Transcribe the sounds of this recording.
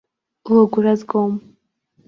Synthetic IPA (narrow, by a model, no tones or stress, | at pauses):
uoɡuɾazɡom